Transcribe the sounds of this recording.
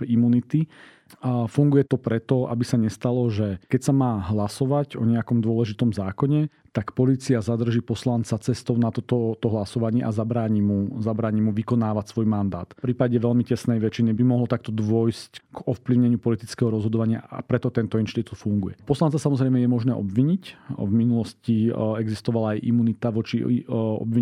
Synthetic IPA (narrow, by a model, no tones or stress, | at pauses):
imunit̪i | fuŋɡujɛt̪ɔpɾɛt̪ɔa̰bisaɲɛst̪alɔʒɛkɛcsamaːɦlasɔʋaɟɔ̰ɲɛakɔmd̪ʊɔlɛʒit̪ɔmzaːkɔɲɛ | t̪akpɔliːt͡siazad̪r̩ʒiːpɔslant͡sat͡sɛst̪ɔʊnat̪ɔt̪ɔt̪ɔɦlasɔʋaɲɪɛʔazabɾaːɲimuzabɾaːɲimuʋikɔnaːʋacsʋɔjmand̪a̰ːt̪pɾiːpaɟɛʋɛlmicɛsnɛjʋɛt͡ʃinibimɔɦlɔt̪akt̪ɔd̪ʋɔjscɡɔfpliʊɲɛɲɪupɔlit̪it͡skɛɦɔɾɔzɦɔd̪ɔʋaɲɪa̰a̰pɾɛt̪ɔt̪ɛnt̪ɔinʃt̪it̪ut̪fuŋɡujɛpɔslant͡sasamɔzɾɛjmɛjɛmɔʒnɛːʔɔ̰bʋiɲicvminulɔsciɛɡzist̪ɔʋalaːjʔḭmunit̪aʋɔt͡ʃiɔ̰bi